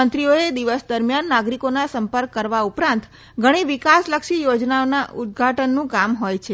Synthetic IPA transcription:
ənt̪ɾioed̪iʋəsd̪əɾmjanːaɡɾikonasəmpəɾkːəɾʋaupɾãnt̪ | ɡʱəɽ̃iʋikasləkʃijod͡ʒnaonaʔud̪̚ɡʱaʈənːũkamɦojt͡ʃʰe

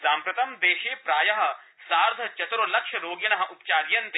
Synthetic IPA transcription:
saːmpɾɐt̪ɐmd̪eːʃeːpɾaːjɐɦɐ̆ | saːɾd̪ʱɐt͡ʃɐt̪ɾolɐkʃɐɾoːɡjɐnɐɦɐ̆ʔupt͡ʃaːɾjɐnt̪e

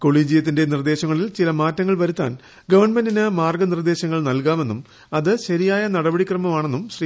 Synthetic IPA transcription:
ko̞ɭiːd͡ʑijɐt̪ːinde̞nird̪e̞ːɕɐŋːɐɭilt͡ɕilɐmaːtːɐŋːɐɭʋɐɾut̪ːa̰ːn | ɡɐʋɐrɳmendinɨmaːrɡɐnird̪e̞ːɕɐŋːɐɭnɐlkaːme̞nːum | ɐðɨɕɐɾijaːjɐnɐɽɐbɐɽikrɐmɐmaːɳe̞nːumɕriː

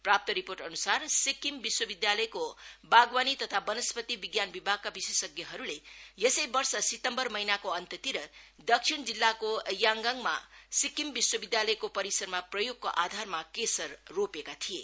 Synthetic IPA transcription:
prap̚t̪ʌɾiporʈʌnusarsikimbiswʌbid̪jalʌjkobaɡwanit̪ʌt̪ʰabʌnʌspʌt̪ibiɡjanbibʱaɡ̚kabisesʌɡjʌɦʌɾulejesʌjbʌrsʌsit̪ʌmbʌrmʌɦinakoʌnt̪ʌt̪iɾʌd̪ʌkʂʰind͡zilːakojaŋɡaŋma̰sikimbiswʌbid̪jalʌjkopʌɾisʌɾmaprʌjoɡ̚koʔad̪ʱarmakesʌrːopekat̪ʰije

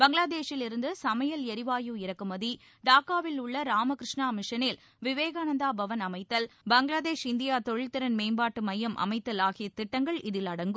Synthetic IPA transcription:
bɐŋɡɭaːðeːʂɪlɪɾɯnd̪ɯsɐmɐjɐlɛɾɪʋaːjuɪɾɐkːɯmɐði | ɖaːkːaːʋɪlʊɭːɐɾaːmɐkɾɪʂɳaːmɪʂɐnɪl | ʋɪʋeːɣaːnɐnd̪aːbɐʋɐnɐmɐɪt̪ːɐlbɐŋɡɭaːðeːʂɪnd̪ɪjaːt̪ɔɻɪɭt̪ːɪɾɐnmeːmbaːʈːɯmɐjːɐmʔɐ̰mɐɪt̪ːɐlaːɣɪjɐt̪ɪʈːɐŋɡɐɭɪðɪlɐɽɐŋɡɯ

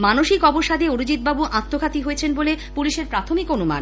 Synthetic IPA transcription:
manoʃikɔboʃad̪eoɾud͡ʑit̪̚babuʔat̪ːokʰat̪iɦoet͡ɕʰenbolepuliʃeɾpɾat̪ʰomikonuma̰n

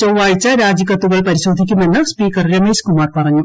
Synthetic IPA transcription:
t͡ɕoʋaːjit͡ɕaɾaːd͡ʑikɐt̪ːuɣɐɭpɐɾisoːd̪ʱik̬ʲːimenːɐspiːkɐrɾjɐmeskumaːrpɐrɐɲːu

